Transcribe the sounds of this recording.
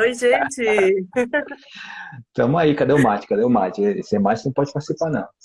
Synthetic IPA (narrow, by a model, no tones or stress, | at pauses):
ojʒẽt͡ʃɪ | t̪ɐ̃wmaikad̪ewmat͡ʃɪ̥kad̪eʊma̰t͡ʃɪɛsemat͡ʃɪnɐ̃w̃pɔd͡ʒɪpaɾt͡ʃɪ̥sipanɐ̰̃w̃